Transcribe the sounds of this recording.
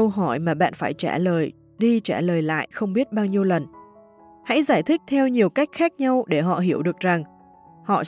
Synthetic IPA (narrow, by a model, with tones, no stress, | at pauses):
ə˧wɦɔ˧˩jmaː˨˩ɓa̰ː˧˨nfaː˧˩jt͡ɕaː˧˩ləː˨˩j | ɗi˧t͡ɕaː˧˩ləː˨˩jla̰ː˧˨jxə˧wŋ͡mɓi˦˥ət̚ɓaː˧wɲi˧əwlə˨˩n | ha̰˧˥jzaː˧˩jt̪ʰï˦˥k̚t̪ʰɛ˧wɲi˨˩əwka˦˥jk̟̚xaː˦˥k̚ɲa˧wɗe˧˩ɦɔ̰˧˨ɦi˧˩əwɗɨ˨˩ək̚za˨˩ŋ | hɔ̰˧˨